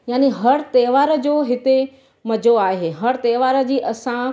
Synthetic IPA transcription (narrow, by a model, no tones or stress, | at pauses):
jaːniɦɐɽt̪eːʋaːɾə̆d͡ʑoːɦɪt̪e | mɐd͡ʑoaːɦeːɦɐɽt̪eːʋaːɾə̆d͡ʑiːʔɐsã